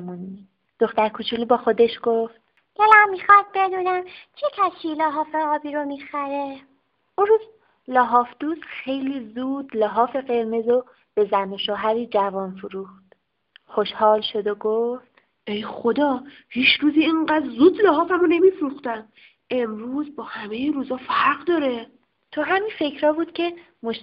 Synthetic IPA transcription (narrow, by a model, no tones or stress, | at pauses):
muni | d̪̥oxt̪æɾkʰut͡ʃʰulibɒːxo̞d̪e̞ʃɡ̥oft̪̚ | d̪̥elæmːiːxɒd̪̚be̞d̪uːnæmt͡ʃʰecʲʰæsiːlɒːɦɒːfeɒːbiːɾomiːxæɾe | unruːz | lɒːɦɒːfd̪̥uːzxe̞jliːzuːd̪lɒːɦɒːfe̞ɣe̞ɾme̞zo | b̥e̞zænoʃoɦæɾiːd͡ʒævɒːnfuɾuːxt̪ | xoʃhɒːlʃo̞d̪oɡoft̪ | ʔejxod̪ɒː | hiːt͡ʃʰɾuːziːiɴɢæd̪ɾzuːd̪lɒːɦɒːfæmone̞mifɾuxt̪æm | ʔe̞mɾuːzbɒːhæmejiɾuːzɒːfæɾɢd̪ɒːɾe | t̪ʰoɦæminfe̞cʰɾɒːbuːd̪̥cʰe̞ | moʃ